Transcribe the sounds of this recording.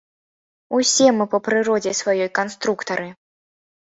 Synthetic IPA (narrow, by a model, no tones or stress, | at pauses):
usʲɛmɨpɐpɾɨɾɔd͡zʲɛsvajɔjkanst̪ɾukt̪ɐɾɨ